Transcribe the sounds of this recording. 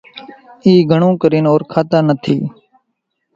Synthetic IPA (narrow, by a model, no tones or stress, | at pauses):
iːɡʱəɳũːkəɾiːnoːɾkʰaːt̪aːnət̪ʰḭː